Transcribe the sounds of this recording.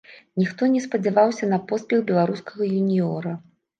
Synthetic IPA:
nʲixt̪ɔnʲɛspɐd͡zʲɛvawsʲɐnɐpɔspʲɛɣbʲɛlˠaɾuskɐɣɐjunʲiɔɾɐ

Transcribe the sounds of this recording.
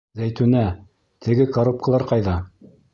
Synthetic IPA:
zæjt̪ʉnæ | t̪ʰɘ̆ɡɘkoɾup̚kə̆lˠɑɾqɑjðɑ

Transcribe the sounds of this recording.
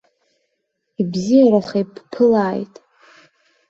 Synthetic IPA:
ibzijaɾaχajpʰpʰɨlaːjtʼ

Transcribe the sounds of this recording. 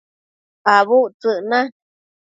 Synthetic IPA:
aβut͡sɨʔnã

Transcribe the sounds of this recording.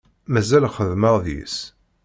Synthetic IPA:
mæzælχəðməʁðḭs

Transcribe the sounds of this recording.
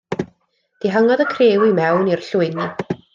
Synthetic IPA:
d̥iɦəŋɔdəkʰreːwimɛwnir̥ɬʊɨnɨ

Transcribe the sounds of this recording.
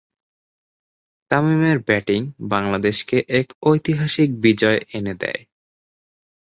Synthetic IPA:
ʈ̪amimeɾbɛʈiŋbaŋlad̪eʃkeʔɛkojt̪iɦaʃik̚bid͡ʑɔeʔened̪ɛ̰e

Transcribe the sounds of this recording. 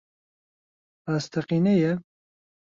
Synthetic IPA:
aːst̪ʰɛqiːnɛjɛ

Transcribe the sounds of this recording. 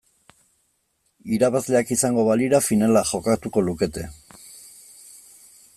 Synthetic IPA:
iɾaβazle̞akisaŋɡo̞βaliɾafinalaʝo̞kat̪uko̞luke̞t̪e̞

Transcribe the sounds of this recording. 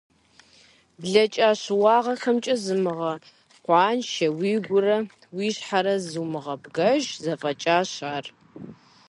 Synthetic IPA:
bɮɐt͡ʃʼaːɕwɑːʁɐxɐmt͡ʃʼɐzɨmɨʁɐ | qʷɑːnʃɐwiːɡʷʊɾɐ | wiːɕħaɾɐzɨmɨʁɐbɡɐʒzɐfʼɐt͡ʃʼaːɕaːr

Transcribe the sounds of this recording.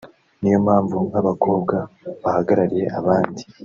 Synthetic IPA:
nijo̞mhaːɱvuaβakʰo̞ːbɡaβahaɡaɾaɾije̞̰ʔaβaːndi

